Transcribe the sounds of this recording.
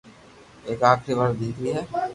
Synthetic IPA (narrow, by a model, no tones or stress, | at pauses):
eːkaːkʰɾiʋɐɾd̪iːkiɦɛː